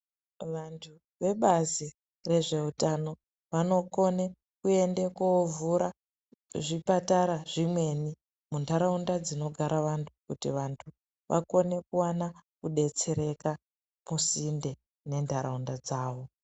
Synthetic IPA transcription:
ʋantʰu | ʋe̞ɓazi | re̞ʐe̞utano̞ | ʋano̞ko̞ne | kue̞ndekovuɾa | ʐipataɾaʐimwe̞ni | mundʱaɾaundad͡zino̞ɡʱaɾaʋantʰu̥kutiʋantʰu | ʋʔa̰ko̞ne̞kuwanakuɗe̞t͡se̞ɾe̞ka | musinde̞ | ne̞ndʰʱaɾaundad͡zaːʋo̞

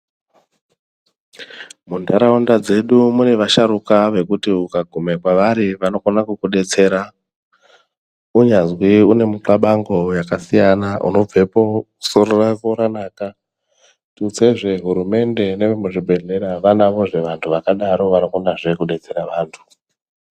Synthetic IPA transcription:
mundʱaɾaundad͡ze̞ɗumune̞ʋaʃaɾukaʋe̞kutiukaɡʱume̞kwaʋaɾiʋano̞konakukuɗe̞t͡se̞ɾa | uɲazwiune̞muǁaɓaŋɡo̞jakasijanaʔṵno̞b͡vʱe̞pouso̞ɾorakoɾanaːka | tut͡se̞ʐe̞ɦuɾume̞nde̞neʋemuʐibʱe̞ɮe̞ɾaʋanaʋo̞ʐe̞ʋantʰuʋakaɗaɾo̞ʋanokonaʐe̞kuɗe̞t͡se̞ɾaʋaːntʰu̥

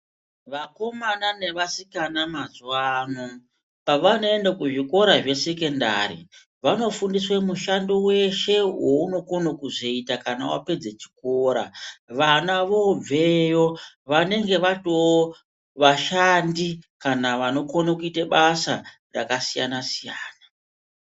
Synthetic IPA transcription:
ʋako̞manane̞ʋasikanamazwano | paʋano̞endakuʐiko̞ɾaʐe̞se̞ke̞nda̰ɾḭ | ʋano̞fundiswemuʃandowe̞ʃe̞wo̞uno̞konokuʐoitakana̰wa̰pe̞d͡zet͡ʃi̥koɾa̰ʋanaʋo̞b͡vejo̞ | ʋane̞ŋɡe̞ʋatowo | ʋaʃandikanaʋano̞konokuiteɓasa | ra̰kasija̰nasijaːna

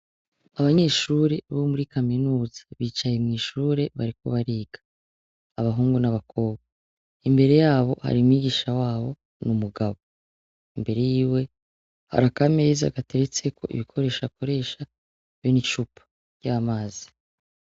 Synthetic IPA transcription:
aβaɲe̞ːʃuɾe̞βomuɾikaminuːzḁβiːt͡ʃaje̞mŋiːʃuːɾe̞βaɾiko̞βaɾiːɡ̥ḁː | βaɦuːŋɡunaβakʰo̞ːβɡa | imbe̞ɾe̞jaːβo̞ha̰ɾimwiːɡiʃawaːβo̞̰ | numuɡaβo | imbe̞ɾe̞jiːwe̞ | ha̰ɾakameiza̰ɡate̞ɾet͡se̞kʰo̞̰ʔḭβikʰo̞ɾe̞ːʃako̞ɾe̞ːʃa | βjoniʃupʰḁ | jaːmaːzi̥

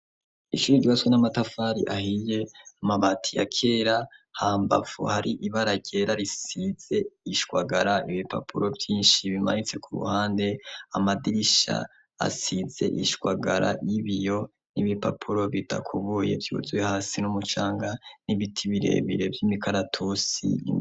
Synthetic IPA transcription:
iʃuɾiɟiβaswenamatafaːɾḭʔahije̞amaβatʰija̰kʰe̞ːɾahaːmba̰fṵhaɾiʔiβaɾaɟe̞ɾaɾisiz̥e̞iʃwaɡaɾaiβipa̰pʰuɾo̞vjiːnʃiβima̰nit͡se̞kuɾṵhaːnde̞amadiiʃa̰ | a̰size̞̰ʔiʃkwaɡaɾa̰jiβijo̞ | niβipapʰuɾo̞βida̰kʰuβuːje̞̰vjṵzwehaːsinumut͡ʃaːŋɡaniβitʰiβiɾe̞̰βḭɾe̞vjimikaɾatʰusḭ

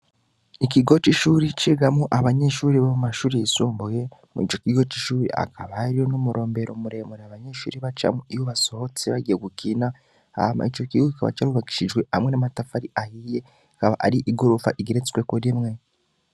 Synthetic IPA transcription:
ikiɡo̞t͡ʃiʃuɾit͡ʃiɡamuʔaβaɲeʃuːɾiβamumaʃuːɾijisuːmbuje̞mḭt͡ʃo̞kiɡo̞t͡ʃiʃuːɾia̰kʰaβaɾijonomuɾo̞ːmbe̞ɾʔo̞muɾe̞muɾeaβaɲe̞ʃṵɾiβat͡ʃa̰muijoβaso̞hot͡siβaɟijeɡukina | a̰ma̰it͡ʃo̞kiɡoikaβa̰t͡ʃaɾuβaki̥ʃid͡ʒwe̞hamŋenamatafaɾiʔahije̞ | akaβa̰ʔa̰ɾiʔiɡoɾufa̰ʔiɡeɾet͡skwekuɾimŋe̞

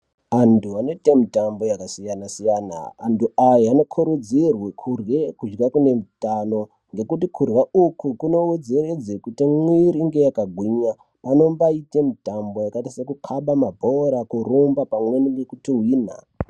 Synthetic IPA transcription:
antuanoitemitambo̞jakasijanasijaːna̰ːntuajaano̞kʰuɾud͡zirwekʰurɣekud͡ʒɡakune̞mutano̞ | ŋɡe̞kutikʰurwaukukuno̞ud͡zeɾed͡zekutimwiɾiŋɡe̞jakaɡʱwiɲa | pano̞mbaitemitambo̞jakatisekukʰaɓamabʱoɾakuɾumbapamweninekutiwiːna̰

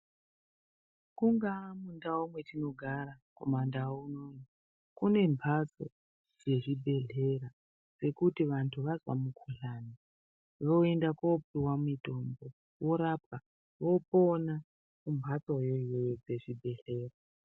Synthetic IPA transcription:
kuŋɡamundaumwe̞tino̞ɡʱaɾakomandauno̞ni | kune̞mbʰʱat͡so̞̰ | d͡ze̞ʐibʱe̞ɮe̞ra | d͡ze̞kutiʋantʰuʋazwa̰mukʰuɬaːni | ʋo̞endakopiwamito̞mbo | wo̞ɾapa | ʋo̞po̞na | kumbʱat͡sojojojod͡ze̞ʐibʱe̞ɮe̞ːra

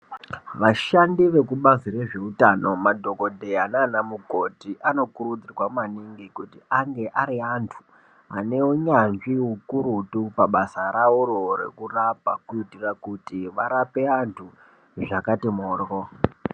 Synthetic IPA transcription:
ʋaʃandiʋe̞kuɓazire̞ʐe̞utano̞madʱo̞ko̞dʱeananamuko̞tiʔano̞kuɾud͡zirwamaniŋɡikutiaŋɡe̞ʔaɾiantʰu̥ | ane̞woɲanʐiɦukuɾutupaɓasaɾaurorḛkurapakuitirakutiʋaɾape̞antʰu | ʐakatimoːro

